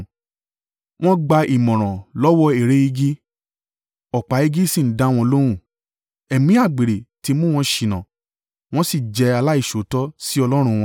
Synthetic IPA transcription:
w̃ɔ̃˦ɡ͡ba˧i˨mɔ̃˨ɾ̃ɔ̃˨lɔ˦wɔ˦e˨ɾe˦i˧ɡi˦ | ɔ˨k͡pa˨˦e˧ɡi˦sĩ˦˨n̩˦dã˦w̃ɔ̃˧o˧lo˦ɾ̃ũ˦˨ | ɛ˨mĩ˨˦a˦˨ɡ͡be˨ɾe˨ti˨˧˦mũ˦w̃ɔ̃˧ʃi˨nã˨ | w̃ɔ̃˦si˦˨d͡ʒɛ˧a˧la˦i˦˨ʃo˨˦tɔ˦si˦ɔ˧lɔ˦ɾ̃ũ˧w̃ɔ̃˧

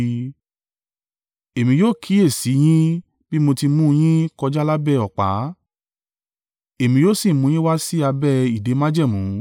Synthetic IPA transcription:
e˨mĩ˧joː˦˨kʰi˨˦e˦˨si˨˦j̃ĩ˦ | bi˦mo˧ti˧mũ˦˧j̃ĩ˦kɔ˧d͡ʒa˦la˦bɛ˦˨ɔ˨k͡pa̰˨˦ | e˨mĩ˧joː˦˨si˦˨˦mũ˧j̃ĩ˦wa˦si˦a˧bɛ˦˨i˨de˨˦mã˦d͡ʒɛ˦˨mũ˨˦

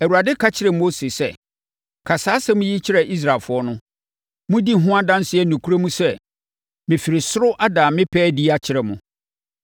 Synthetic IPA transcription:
ɛ˨wu˨ɾa˨dɪ˦kʰa˦t͡ɕʰɪ˨˦ɾɛ˨m˦o˦se˨sɛ˦˨ | kʰa˨saː˦sɛ˦mʊ̃˦ji˦t͡ɕʰɪ˦ɾɛ˨ʔi˦s̬ɾa˨lfʊ˨˦ɔ˦nʊ̃˦ | mʊ̃˦di˦˨ɦʊ̃˦a˦dã˦n˦sɪ˦ɛ˦˨nũ˨kʰu˦ɾo˦mũ˦sɛ˦˨ | mɪ̃˨fi˨ɾɪ˨sʊ˦ɾʊ˦ʔa˦dãː˨mɪ̃˦pʰɛː˦di˦a˦t͡ɕʰɪ˨ɾɛ˨mʊ̃˨

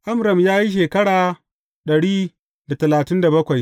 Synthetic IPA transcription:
ʔa˦mɾɐ˨mjaː˦ji˦ʃ̬eː˨kɐ˦ɽaː˨ | ɗɐ˨ɽiː˦ | da˨tɐ˨laː˨tɪ˦nda˨bɐ˦kʷa˨j

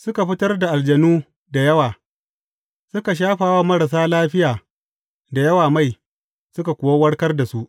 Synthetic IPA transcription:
sʊ˦ka˨ɸɪ˦tɐ˦rda˨ʔa˨ld͡ʒɐ˨nuː˦ | da˨jɐ˦waː˨ | sʊ˦ka˨ʃ̬aː˦ɸaː˨wa˦mɐ˦ɾa˨s̬aː˦laː˦ɸɪ˦jaː˨ | da˨jɐ˦waː˨ma˦˨j | sʊ˦ka˨kʷʊ˨wa˦wɐ˦ɽkɐ˦rda˨su˦ʔ

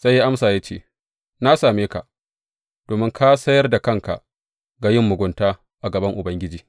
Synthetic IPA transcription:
z̥a˦jːa˦ʔa˦msaː˨ja˦t͡ʃḛː˦˨ | na˦saː˨meː˦ka̰˨ʔ | d̥oː˨mɪ˦ŋkʰa˦sɐ˦jɐ˦rda˨kɐ˦˨ŋka̰˨ʔ | ɡa˨jɪ˦mːʊ˨ɡʷʊ˦ntaː˦ | ʔa˨ɡɐ˨bɐ˦ŋʔʊ˨bɐ˦ŋɡʲɪ˦d͡ʒiː˦

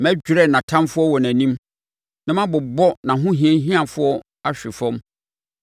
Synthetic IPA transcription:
mæ˦d͡ʑᶣu˨ɾɛ˦˨nã˨tʰã˦mfʊ˦ɔ˦wɔ˨næ̃˨nĩ˦m | nã˦mã˦bʊ˨bɔ˦nã˨ɦʊ̃˦ɦĩ˨˦ɛ̃˦ɦĩ˦ã˨fʊ˦ɔ˦ | a˦ɕᶣɪ˨fɔ̃˦m

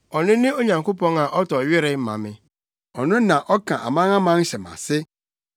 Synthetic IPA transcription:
ɔ˨nʊ̃˦nɪ̃˦o˦ɲã˨ŋko˦pɔ̃˦ŋa˨ʔɔ˦tɔ˨ɥɪ˦ɾɪ˦m˦mã̰˨mɪ̃˨ | ɔ˨nʊ̃˦nã˨ʔɔ˦kʰã˨ʔa̰˨mã˦ŋa˦mã˦n˦ɕɛ˨mã̰˨sɪ˦

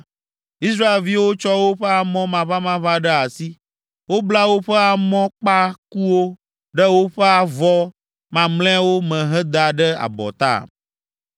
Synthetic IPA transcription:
i˦s̬ɾa˦e˨lvi˦wo˦t͡ʃɔ˦wo˦ɸɛ˦a˨mɔ̃˦mã˨βa˦mã˦βa˦ɖɛ˦a˨si˦ | wo˦bla˦wo˦ɸɛ˦a˨mɔ̃˦k͡pa˦ku˦wo˦ | ɖɛ˦wo˦ɸɛ˦a˨vɔ˦ | mã˨mlɛ̃˦wo˦mɛ̃˨ɦɛ˦d̪a˨ɖɛ˦a̰˨bɔ̰˨t̪a̰˦˨

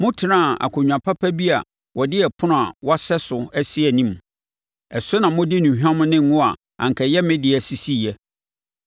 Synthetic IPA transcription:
mʊ̃˦tʰɪ˨nã˦˨a̰˨kʰʊ˨ɲᶣ˨ã˨pʰa˦pʰæ˦bi˦a̰˨ | wʔɔ˨dɪ˦ɛ˨pʰʊ̃˦nʊ̃˨a˨wɔ˦sɛ˦sʊ˨æ˦si˦ɛ˨nĩ˦m˨ | ɛ˨sʊ˦nã˨mʊ̃˦dɪ˦nũ˨ɦᶣã˦m̃˦nɪ̃˦ŋ˦ŋʊ̃˦a˨ | ã̰˨ŋ˨kʰɛ˨jɛ˦mɪ̃˦dɪ˨æ˨si˦si˦˨ɛ˦

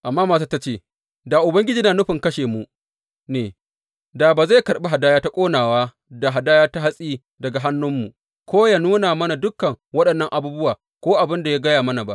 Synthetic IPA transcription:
ʔa˨mːaː˦maː˨s̬aː˦ta˦t͡ʃeː˦˨ | da˨ʔʊ˨bɐ˦ŋɡʲɪ˦d͡ʒiː˦naː˨nʊ˦ɸɪ˨ŋkɐ˦ʃeː˨mu˨ | neː˨ | daː˨baː˨za˦˨jkɐ˨ɾɓe˦ɦa˨daː˦jaː˦ta˦kʷʼoː˦naː˨waː˦ | da˨ɦa˨daː˦jaː˦ta˦ɦa˦sʼiː˦ | dɐ˨ɡa˨ɦa˦nːʊ˦mːu˨ʔ | kʷoː˦ja˨nuː˦naː˨mɐ˦na˨dʊ˦kːɐ˨ŋwɐ˦ɗɐ˨nːɐ˦ŋʔa˨buː˦bʊ˦waː˨ | kʷoː˦ʔa˨bɪ˦nda˨ja˦ɡɐ˦jaː˨mɐ˦na˨ba˦ʔ

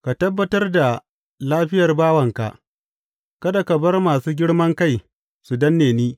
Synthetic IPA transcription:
ka˨tɐ˦bːɐ˦tɐ˦rda˨ | laː˦ɸɪ˦jɐ˨rbaː˦wɐ˨ŋka̰˨ʔ | kɐ˦da˨kɐ˨bɐ˦rmaː˨suː˦ɡʲɪ˦ɽmɐ˦ŋka˦˨j | su˨dɐ˦nːeː˨niː˦

